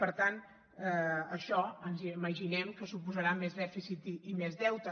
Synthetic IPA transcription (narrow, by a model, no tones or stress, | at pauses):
pəɾt̪an | ɛəʃɔənziməʒinɛmkəsupuzəɾamezðɛfisit̪iːmezðɛwt̪ə